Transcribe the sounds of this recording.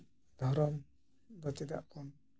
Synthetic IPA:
d̪ʱɔɾɔm | d̪ɔt͡ʃɛd̪a̰ʔkɔn

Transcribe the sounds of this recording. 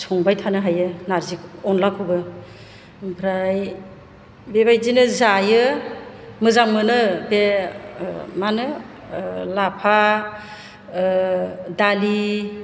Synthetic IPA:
sʰɔŋbajtʰanɯɦajɯnaɾzikɔnlakʰɔbɯ | pʰɾaj | bebajzinɯzajɯ | mɯzaŋmɯnɯbe | manɯ | lapʰa | dali

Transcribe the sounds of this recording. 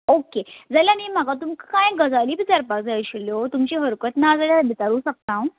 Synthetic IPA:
oked͡zaljanim̤akat̪umkkãjɡəd͡zaliːbit͡saɾpakd͡zajɕiljot̪umt͡ɕiɦəɾkət̪nad͡zaljabit͡saɾũːsak̚t̪ãw

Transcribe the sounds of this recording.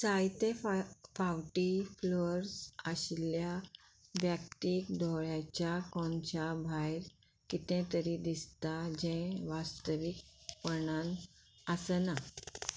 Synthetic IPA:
sajt̪efawʈifloɾsəɕilja | bjakt̪iːkd̪ʱɔɭjat͡ɕjakɔnt͡ɕabʱajɾ | kit̪ɛ̃t̪əɾid̪ist̪ad͡ʑɛ̃ʋast̪əʋik̚pəɳãnəsəna

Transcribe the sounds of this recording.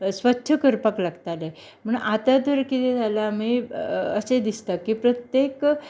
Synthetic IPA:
sʋətːɕʰəkəɾpəklaɡt̪ale | m̤əɳat̪ad̪ʋəɾkit̪ed͡zʱalamiəsed̪ist̪akːipɾət̪jek

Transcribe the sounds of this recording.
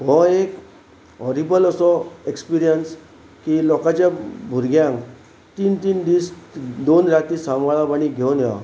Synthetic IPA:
ɦɔek | ɦɔɾibələsɔekspiɾijəns | kilɔkat͡ɕjabʱuɾɡjãŋk | t̪iːnt̪iːnd̪isd̪onɾat̪iːsamaɭapaɽ̃iɡʱewnja

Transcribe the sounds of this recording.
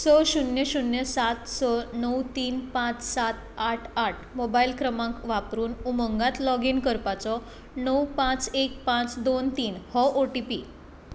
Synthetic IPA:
sɔɕunjəɕunjəsat̪sɔnəwt̪iːnpãt͡ssat̪aʈʰaʈʰmobailkɾəmãkʋapɾuːnuməŋɡat̪lɔɡinkəɾpat͡sɔ | nəwpãt͡sek̚pãt͡sd̪ont̪iːnhɔʔoʈipiː

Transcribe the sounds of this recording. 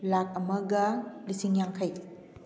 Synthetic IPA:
lak̚ɐmɐɡɐlisiŋjaŋkʰɐj

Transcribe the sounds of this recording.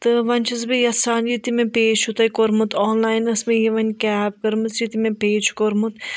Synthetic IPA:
t̪ɨʋɐnʲt͡ʃʰɐzbijɐsaːnjit̪imẽpeːt͡ʃʰut̪ɐjkoɾmut̪ʰɔːnlaːjnɐsmẽjiʋɐnʲkʲɛːpkɐɾmɨzt͡ʃit̪imẽpeːt͡ʃkoɾmut̪

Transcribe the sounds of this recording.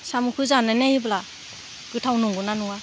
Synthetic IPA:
samukʰɯzananajibla | ɡ̥ɯtʰawnuŋɡɯnanuŋa

